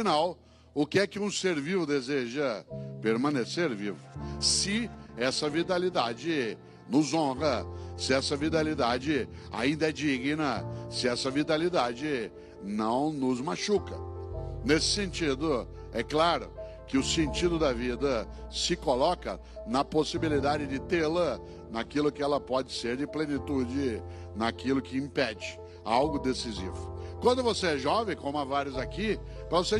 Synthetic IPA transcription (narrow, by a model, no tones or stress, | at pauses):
finaw | ʊkɪɛkɪũseɾvivʊd̪ezeʒɐpeɾmɐ̃neseɾvivʊsɪɛsɐvit̪alid̪ad͡ʒɪ | nʊzõʁɐsɪɛsɐvit̪alid̪ad͡ʒɪa̰ĩnd̪ɐɛd͡ʒiɡnɐsɪɛsɐvit̪alid̪ad͡ʒɪ | nɐ̃w̃nʊzmaʃukɐnesɪ̥sẽnt͡ʃid̪ʊ | ɛklaɾʊ | kɪʊsẽnt͡ʃid̪ʊd̪ɐvid̪ɐ | sɪkolɔkɐ̰ | nɐposibilid̪ad͡ʒɪd͡ʒɪt̪elɐ | nakilʊkɪɛlɐpɔd͡ʒɪseɾd͡ʒɪplenit̪ud͡ʒɪ | nɐkilʊkɪĩpɛd͡ʒɪ | awɡʊd̪esizḭvʊkwɐ̃nd̪ʊvoseɛʒɔvẽj̃kõmʊ̃avaɾjʊzakipɾɐvose